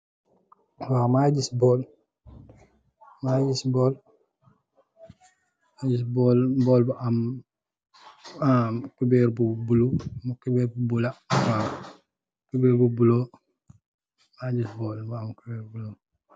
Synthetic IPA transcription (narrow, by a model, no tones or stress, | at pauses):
wamaɟisbol | maɟisbol | maɟisbolbolbuʔam | amkubeɾbubulumukubeɾbubulawa | kubeɾbubulo | maɟisbolbaamkubeɾbulo